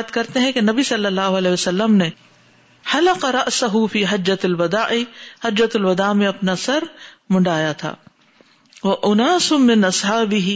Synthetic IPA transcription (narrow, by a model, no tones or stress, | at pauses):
d̪kɐɾt̪eɦɛ̃kenɐbisɐlːɐlːaːɦʊɐlɛːɦjʋɐsɐlːəmne | ħɐlɐqɑɾɐʔsɐɦʊfiːɦɐd͡ʒːɐt̪ɐlwɐd̪aːʔɪhɐd͡ʒːɐt̪ɐlwɐd̪aːmẽɐpnasɐɾmʊ̃ɳɖaːjat̪ʰa̰ː | ʋɐʔʊnaːsʊmɪnʔɐsħaːbɪɦi